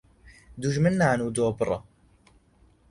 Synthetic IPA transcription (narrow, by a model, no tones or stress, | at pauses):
d̪uʒmɨnːaːnuːd̪oːbɨɾˤɑ̰